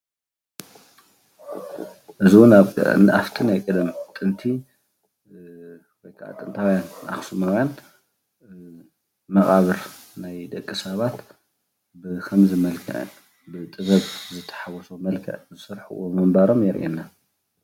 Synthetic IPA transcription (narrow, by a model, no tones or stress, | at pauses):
ʔɨziwʊnaβ̰ʔaft̪ʰinajkʼɨd̪ɨmt̪ʼɨnt̪ʰi | wɔjkʰaʔa̰t̪ʼɨnt̪ʰawjana̰xsumawjan | mɐχʼaβɨɾnajd̪ɐkʼːɨsɐβat̪ | bɨkʰɐmzɨmɐlkʰɐ̰ʔn | bɨt̪ʼɨβɐβzɨt̪ʰːɐ̥ħawɔsomɐlkʰɐ̰ʔzɨsɨɾħṵʔomɨmbaɾo̞mjɛɾʔenːa